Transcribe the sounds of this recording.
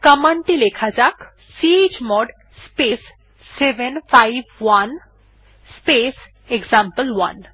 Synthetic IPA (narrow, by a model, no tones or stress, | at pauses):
kəmaɳʈilekʰad͡ʑak | sied͡ʑmɔɖ | spesː | ebenfajbwan | spes | eɡzampəlwa̰n